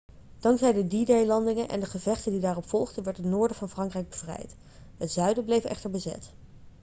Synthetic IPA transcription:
d̥ɑŋkzɛjdədidejlɑndɪŋənʔɛ̰ndəχəvɛχtəndidaːrɔpfɔlˠχdənʋɛɹtɦətnʊːɹdəvɑnfrɑŋkrɛjɡ̚bəv̥rɛ̰jt | ɦətzœɥdəblejvəʔɛ̰χtəɹbəzɛ̰t

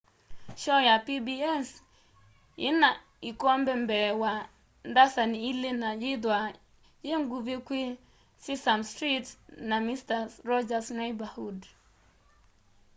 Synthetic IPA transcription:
ʃɔjapibiɛs | ḭna | ikɔm̩bem̩bewa | n̩dasaniilenajidwa | jeŋ̩ɡuvekʷi | sisamstɾitnamistaɾɔd͡ʒasnebahud

